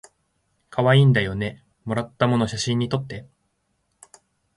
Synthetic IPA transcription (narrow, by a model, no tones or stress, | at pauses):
kʰaβaiːnd̪ajo̞ne̞ | mo̞ɾat̪ːamo̞noɕaɕĩɲ̟ːit̪o̞t̪ːe̞